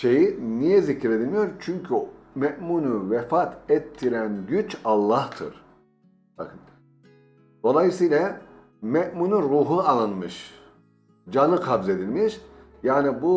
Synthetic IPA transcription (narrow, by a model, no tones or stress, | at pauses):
ʃe̞jinijɛzicɾe̞d̪ilʲmijo̞ɾt͡ʃʰyɲcʰy | mɛʔmunuvɛfat̪ʰɛt̪ʰːiɾænɟyt͡ʃalˠːaht̪ʰɯ̰ɾ̥ | t̪ʰa̰kɯn | d̪̥o̞lˠajɯsiːjlʲˠa | mɛʔmunuɾuːɦualˠɯnmɯʃ | d͡ʒanɯkʰabze̞d̪ilʲmiʃ | jaːnibu